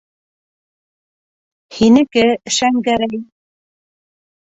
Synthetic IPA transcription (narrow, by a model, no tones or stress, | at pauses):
hinɘ̆kɘʃæŋɡæɾæj